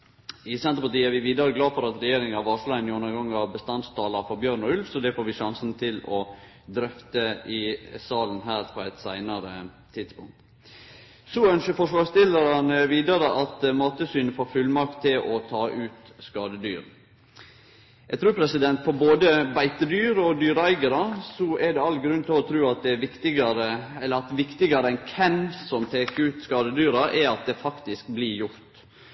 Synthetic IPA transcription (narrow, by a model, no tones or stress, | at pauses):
ɪsɛnt̪ɾəpɑʈiːæɾʋɪʋiːd̪ɑɾəɡlɑːfɔɾɑt̪ɾɛjeːɾɪŋɑʋɑʂlɑnʊnːəɾɡɑŋːɑʋbəst̪ɑnt̪st̪ʰɑːlɑɾfɔɾbjøːɾnɔʉlfsɔd̪ɛfoːɾʋɪʃɑŋsnt̪ʰɪlɔ | d̪ɾœft̪əɪsɑːlənɦæːɾpʰɔæɪt̪sæɪnɑɾə | t̪ʰɪd̪spʊŋk̚t̪ | sɔœnʃəɾfɔʂʋɑːɾst̪ɪləɾənəʋiːd̪əɾəʔɑt̪mɑːt̪əsyːnəfoːɾfʉlmɑk̚t̪ʰːɪlʔɔt̪ʰɑːʔʉːt̪skɑːd̪əd̪y̰ːɾ | jæɡt̪ʰɾʉːpʰɾɛsɪd̪ɛnt̪fɔɾboːd̪əbæɪt̪əd̪yːɾɔd̪yːɾæɪɡəɾɑsɔʔɛɖɛɑlɡɾʉnt̪ʰɪlɔt̪ʰɾʉːɑt̪̚d̪ɛʋɪkt̪ɪɡɑɾəɛlːəɾɑt̪ʋɪkt̪ɪɡɑɾəɛnkʰɛnsɔmt̪ʰeːkəɾʉːt̪skɑːd̪əd̪yːɾɑʔɛɾɑt̪̚d̪ɛfɑkt̪ɪskblɪɾjʊɾt̪